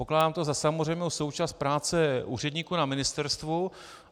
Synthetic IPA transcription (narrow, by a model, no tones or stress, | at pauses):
poklaːdaːmt̪ozasamozr̝ɛjmnowso̞wt͡ʃaːst̪̚pɾaːt͡sɛʔṵːrɛdɲiːkunamɪnɪst̪ɛɾst̪vu